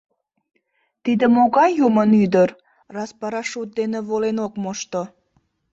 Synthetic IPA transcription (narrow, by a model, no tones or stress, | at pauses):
t̪id̪əmoɣɑjjumənyd̪əɾ | rɑspɑɾɑʃut̪̚d̪eneβolenokmoʃt̪o